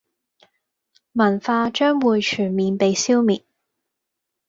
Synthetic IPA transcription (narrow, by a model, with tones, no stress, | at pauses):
mɐ˨˩nfaː˧t͡ʃœː˥ŋwuː˨˧jt͡ʃʰyː˨˩nmiː˨˧npe˨˧jsi˥wmiː˨˩t̚